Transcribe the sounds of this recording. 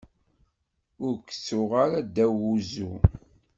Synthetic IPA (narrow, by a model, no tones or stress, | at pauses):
ʊɾkə̥t͡sːʊʁaɾad̪æwuzu